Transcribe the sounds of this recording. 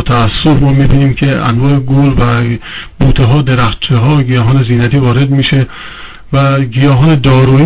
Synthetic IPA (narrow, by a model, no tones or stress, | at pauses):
t̪ʰæːsːofmɒːmibiːniːmkʲʰeæ̰nvɒːeɡolvæbuːt̪ʰeɦɒːd̪eɾæxt̪̚t͡ʃʰeɦɒːɡijɒːɦɒːneziːnæt̪ʰiːvɒːɾe̞d̪miʃe | væɡijɒːɦɒːned̪ɒːɾu